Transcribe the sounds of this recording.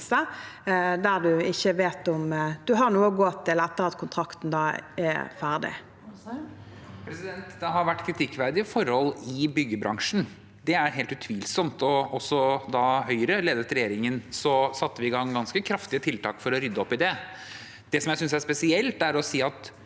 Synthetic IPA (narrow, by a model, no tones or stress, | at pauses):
sə | d̪æʁd̪ʉɪçːəʋeːt̪ʊmd̪̥ʉɦɑɾnuːəɡoːt̪ʰɪlæt̪ːəʁɑt̪kʰʊnt̪ʰɾɑkt̪n̩d̪ɑːɛ̰fæːʁd̪ɪ̰ | pʰɾɛsɪd̪ɛnt̪d̪ɛɦɑɾʋæʈːkʰɾɪt̪ʰɪkːʋæɾd̪ɪəfɔɾhɔlːɪbʏɡːəbɾɑŋʂn̩ | d̪ɛæɾɦeːlt̪ʉt̪ʰʋiːlsɔmt̪ɔɔsːɔd̪ɑɦœʏɾəleːd̪ət̪ɾɛjeːɾɪŋənsɔsɑt̪ːəʋɪɪɡɑŋːɡɑnskəkʰɾɑft̪ɪət̪ʰɪlt̪ɑːkfɔɾɔɾʏd̪ːəɔpːɪd̪ɛ | d̪̥ɛsɔmjæɪsʏnsæʂpɛsɪɛlt̪æɾɔsiːɑt̪